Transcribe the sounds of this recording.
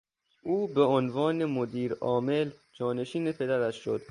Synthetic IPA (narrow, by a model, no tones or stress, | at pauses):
ʔuːbeonvɒːnemod̪iːɾɒːme̞ld͡ʒɒːne̞ʃiːnepʰe̞d̪æɾæʃʃo̰d̪̥